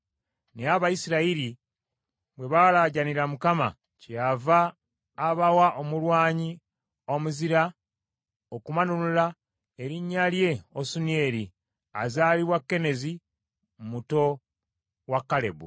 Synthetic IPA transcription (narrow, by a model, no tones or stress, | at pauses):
neaβajisiɾaiɾi | bwe̞βalaɟaniɾamukama̰ | ceavaː | βawaʔomulwaːɲi | omuziɾa | okumanulula | e̞ɾiɲːalje̞osunie̞ːɾi | a̰zaːliβwakːe̞ne̞zi | mmuto̞ | wakːale̞̰bṵ